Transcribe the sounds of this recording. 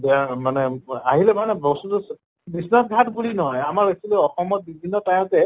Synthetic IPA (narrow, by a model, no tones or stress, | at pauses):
bɛmanɛa̰ɦilɛmanɛbɔsutus | bisnɔsɡʱatbulinɔɦɔjamaɹesʰilɛɔxɔmɔt̚bibʱinːɔtaj̃ɔ̃tɛ